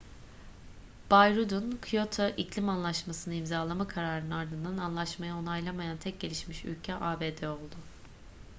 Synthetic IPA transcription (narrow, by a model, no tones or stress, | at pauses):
b̥ajɾud̪unkʰjo̞t̪ʰaʔicʰlʲimanlˠaʃmasɯnɯimzaːlˠamakʰaɾaːɾɯnɯaɾd̪ɯnd̪ananlˠaʃmajao̞najlˠamajant̪ʰɛc̚ɟe̞lʲiʃmiʃy̰lʲcʰɛʔaːbeːd̪ɛo̞lˠd̪ʊ